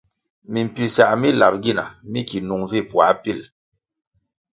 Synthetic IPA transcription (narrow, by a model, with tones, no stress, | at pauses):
mi˨m̩˨pi˨sa˨ʔmi˦la˨p̚ɡi˦na̰˨mi˦ki˨nu˨ŋvi˦˨pwa˨˦pi˦˨l